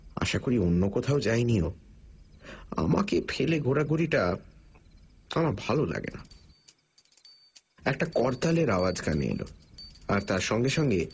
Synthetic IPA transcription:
a̰ʃakoɾionːokɔt̪ʰaod͡ʑajnio | a̰ma̰kefʰeleɡʱoɾaɡuɾiʈa | k̪amabʱalola̰ɡḛna | ɛk̚ʈakɔɾt̪aleɾawad͡ʑkanḛḛlo̰aɾt̪aɾʃɔŋɡeʃɔŋɡe

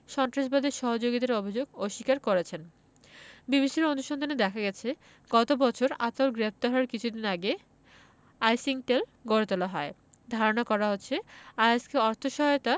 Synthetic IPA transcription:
ʃɔnt̪ɾaʃbad̪eɾʃɔɦod͡ʑoɡit̪eɾobʱid͡ʑoɡoʃikaɾkoɾet͡ɕʰen | bibiʃiɾond̪uʃɔnd̪ʱaned̪ɛkʰaɡɛt͡ɕʰe | ɡ̥ɔt̪obɔt͡ɕʰoɾa̰t̪olɡɾep̚ʰt̪aɾɦɔaɾkit͡ɕʰud̪inaɡe | ajsiŋʈelɡoɾet̪olaɦɔe | d̪ʱaɾonakɔɾaɦotːɕʰeaaskeɔɾt̪ʰoʃɔɦɔjot̪a

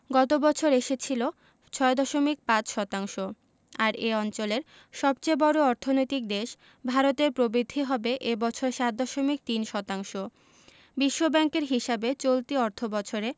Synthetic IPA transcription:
ɡɔt̪obɔt͡ɕʰoɾeʃet͡ɕʰilo | t͡ɕʰɔed̪ɔʃomik̚pãt͡ɕʃɔt̪aŋʃo | aɾeɔnt͡ɕoleɾ | ʃɔbt͡ɕebɔɾoɔɾt̪ʰonojt̪ik̚d̪eʃ | bʱaɾot̪eɾpɾobɾid̪ʱːiɦɔbeʔebɔt͡ɕʰoɾeʃat̪̚d̪ɔʃomik̚t̪inʃɔt̪aŋʃo | biʃːobɛŋkeɾɦiʃabet͡ɕolt̪iɔɾt̪ʰobɔt͡ɕʰoɾe

